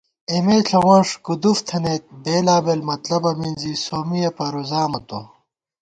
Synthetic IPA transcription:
emeːɬʰɐwɐʂkud̪uft̪ʰɐnek̪̚beːlaːbelmɐt̪lɐbɐminzisoːmijɐpɐɾuzaːmɐt̪o̰

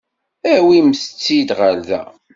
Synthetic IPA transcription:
æwimst͡sːid̪ʁælðæ̰

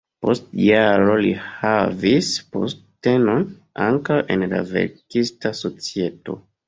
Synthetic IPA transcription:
po̞stjaɾo̞lihavispostteno̞n | aŋkawʔenla̰vḛɾkistaso̞t͡sie̞to̞̰

